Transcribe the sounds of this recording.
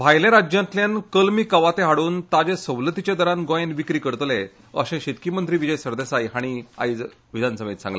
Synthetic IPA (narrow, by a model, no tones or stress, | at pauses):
bʱajlẽɾad͡ʑjãnt̪ljankəlmiːkəʋat̪ẽɦaɽuːnt̪ad͡ʑesəwlət̪it͡ɕed̪əɾanɡɔjenʋikɾiːkəɾt̪le | ə̰ɕẽɕet̪̚kimənt̪ɾiːʋid͡ʑəjsəɾd̪esajɦaɽ̃ia̰jd͡z | ʋid̪ʱansəmjit̪sã̰ŋɡle